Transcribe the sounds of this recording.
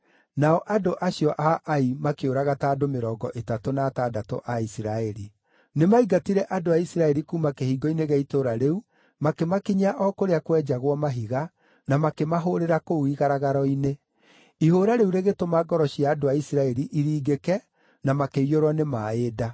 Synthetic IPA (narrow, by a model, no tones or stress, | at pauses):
naɔʔadoʔaɕjɔʔaʔaimakeoɾaɣataːdomeɾɔːɡɔʔetatonaːtaːdato̰ʔaisiɾaɛɾi | nemaiɡatiɾɛʔadoaisiɾaɛɾikuːmakehiːɡɔineɣɛitoɾaɾeu | makemakiɲaʔɔkoɾeakwɛd͡ʒaɣwɔmaɦiɣa | namakemaɦoɾeɾakouiɣaɾaɣaɾɔine | ihoːɾaɾeuɾeɣetomaɡɔɾɔɕjaːdoaisiɾaɛɾiʔiɾiːɡekɛ | namakeijoɾwanemaeda